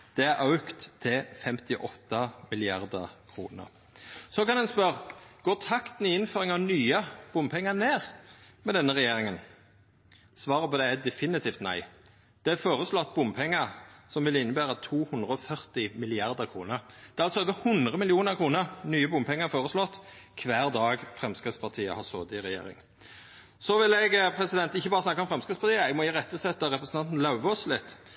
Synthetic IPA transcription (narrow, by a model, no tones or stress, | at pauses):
d̪̥ɛæɾʔɑʉkt̪ʰːɪfɛmt̪ɪʔɔt̪ːɑmɪlɪɑ̰ɾd̪əkʰɾṵːnə̰ʁ | sɔkɑnd̪ɛnspœʁɡ̥oːt̪ʰɑkt̪n̩ɪɪnføːɾɪŋɑʋnyːəb̥ʊmpʰɛŋːəneːʁmɛd̪ɛnːəʁɛjeːɾɪŋən | sʋɑːʁəpɔd̪ɛæd̪ɛfɪnɪt̪ʰiːft̪næ̰ɪ | d̪̥ɛæfoːʁəslɔt̪̚ːbʊmpʰɛŋːəɾsɔmʋɪlɪnːəbæːɾət̪ʰuːhʉnd̪ʁəɔfœʁt̪ɪmɪlɪɑʁd̪əʁkʰɾuːnəʁd̪̥ɛɑlsɔɛd̪əhʉnd̪ʁəmɪlɪuːnəʁkʰɾuːnəʁnyːəbʊmpʰɛŋːəfoːʁəslɔt̪ːkʰʋæːʁd̪ɑːɡfʁɛmskʁɪtspʰɑʁt̪ʰiːə̰hɑsoːd̪əɪɾɛjḛːɾɪ̰ŋ | sɔʋɪlɛɡpʰɾɛsɪd̪ɛnt̪ɪçːəbɑːʁəsnɑkːəɔmfɾɛmskɪt̪spɑʁt̪ʰiːəɛɡmɔɪʁɛt̪ːəsɛt̪ːəɾɛpɾəsnt̪ɑnt̪n̩lɑʉʋəɔslɪt̪ː